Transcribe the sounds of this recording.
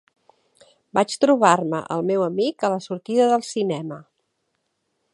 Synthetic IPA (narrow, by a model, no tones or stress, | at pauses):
bat͡ʃt̪ɾuβ̞armə̰ʔə̰lˠmewəmikələsuɾt̪iðəðəlˠsinɛmə